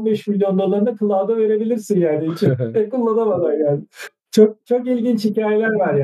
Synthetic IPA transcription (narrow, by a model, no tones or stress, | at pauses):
nbeʃmilʲjo̞nˠaɾlˠaɾɯnakʰɯlˠaːd̪ave̞ɾe̞bilʲiɾsinjaːnit͡ʃɛkulˠːanamad̪aɾjaːnɪ | t͡ʃʰok̚t͡ʃʰo̞kilʲɟint͡ʃhicaːje̞lʲæɾvaɾj